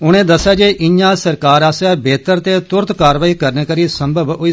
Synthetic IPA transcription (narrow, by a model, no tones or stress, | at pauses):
ʊɽ̃ẽːd̪əsːjaːd͡ʒeːʔɪãːsəɾkaːɾaːsaːbeːt̪əɾt̪eːt̪ʊɾt̪kaːɾʋaːiːkəɾneːkəɾiːsəmbʱəbʊiː